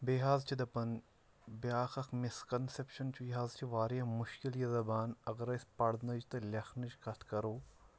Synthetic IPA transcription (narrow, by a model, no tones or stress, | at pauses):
beɦaːzt͡ʃʰid̪ɐpɐn | beaːxɐkmiskɐnsepʃɐnt͡ʃʰujɦaːzt͡ʃʰiʋaːɾjɐmʊʃkiljɐzɐbaːnɐɡɐɾɐspɐɽd̪nɐd͡ʒit̪ɐlʲɐxnɐʃkɐt̪ʰkɐɾoː